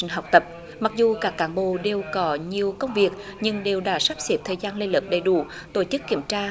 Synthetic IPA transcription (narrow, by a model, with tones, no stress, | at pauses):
ŋ̟ɦa˨˩wk͡p̚t̪ə˨˩p̚ | ma˨˩k̚zu˨˩kaː˦˥kːaː˨˦nɓo̰˧˨ɗe˨˩wkɔ˨˦ɲi˨˩əwkə˧wŋ͡mvi˨˩ək̚ɲɨ˧ŋɗe˨˩wɗaː˧˩saː˦˥p̚si˨˦˥p̚t̪ʰəː˨˩jzaː˧nle˧jlɨ˨˩p̚ɗə˧˨˩jɗṵ˧˩ | t̪o˧˩t͡ɕɨ˦˥kːi˧˩əmt͡ɕaː˧